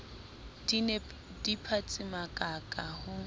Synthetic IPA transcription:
dipʰat͡sʼɪmakʼakʼahʊ

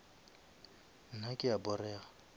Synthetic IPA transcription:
n̩nakʼɪabʊrɛːa

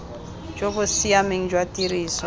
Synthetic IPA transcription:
d͡ʒobʊsiameŋ̩d͡ʒwatʼiriːsɔ

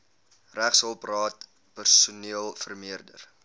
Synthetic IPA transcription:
ræχsəlˠprɑːt̚ | pərsuniəlˠfərmiərdə̰r

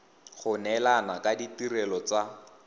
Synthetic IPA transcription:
χʊnɛlanakaditiɾɛlɔt͡sa

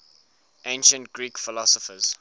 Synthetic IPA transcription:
ʔẽɪ̃nʃə̃ntɡɹiːkfɪlɔsɔfəz̥

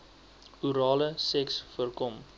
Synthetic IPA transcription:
uɾɑːləsɛksfərkɔm

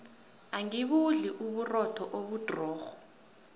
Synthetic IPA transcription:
aŋiɓuɮiʔuɓurɔtʰɔʔoɓud̥ʱrɔːxɔ

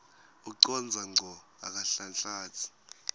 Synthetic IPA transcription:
uǀɔnd͡zʱaŋ͡ǀʱɔ | a̰k̬ʼaɬant͡ɬʼaːtʰi̥

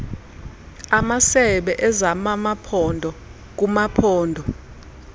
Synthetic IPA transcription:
amasɛɓɛʔɛzamamapʰɔndʱɔ | k̬umapʰɔːndʱɔ

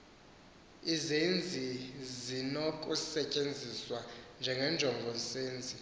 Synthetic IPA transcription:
izend͡zʱizinokʼusɛcʼend͡zʱiswand͡ʒʱɛŋɛnd͡ʒʱɔŋɡʱɔnsʼeːnd͡zʱi

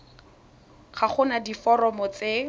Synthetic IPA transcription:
χaχʊnadifɔɾɔmɔt͡se

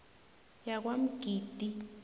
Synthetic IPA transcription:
jak̬wam̩ɡ̥ʱiːd̥ʱi

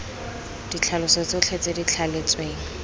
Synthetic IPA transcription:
d̥it͡ɬʰalʊsɔt͡sot͡ɬʰet͡sʼedit͡ɬʰalet͡sʼweːŋ̩

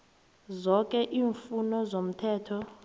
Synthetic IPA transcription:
zɔkʼɛʔiːɱfunɔzom̩tʰɛːtʰɔ

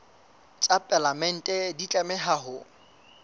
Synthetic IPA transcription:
t͡sʼapʼɛlamɛn̩tʼɛdit͡ɬʼɛmɛɦaɦʊ

